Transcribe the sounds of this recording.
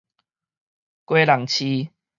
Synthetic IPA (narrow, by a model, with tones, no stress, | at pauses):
kwe˦la˨˩ŋt͡ɕʰi˧